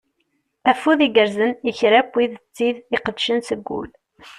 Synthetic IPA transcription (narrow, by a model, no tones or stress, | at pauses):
æfuðiɡəɾzəniçɾæpːwiðt͡sːiðiqəd̪ʃənsəɡʷːṵl